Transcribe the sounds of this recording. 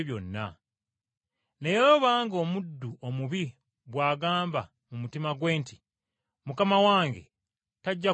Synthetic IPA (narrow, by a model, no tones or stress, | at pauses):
βjonːa̰ | nejeɾo̞βaːŋɡo̞ːmudːuʔo̞muβi | βwaːɡaːmba | mumutimaɡwe̞ːnti | mukamawaːŋɡe̞̰ | taɟːa